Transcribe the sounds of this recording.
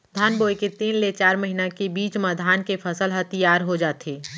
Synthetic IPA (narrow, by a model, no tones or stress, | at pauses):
d̪ʱaːnboːjket̪iːnlet͡ʃaːɾmɐɦinakebiːt͡ʃmad̪ʱaːnkepʰɐsəlɦɐt̪ijaːɾɦod͡ʒaːt̪eː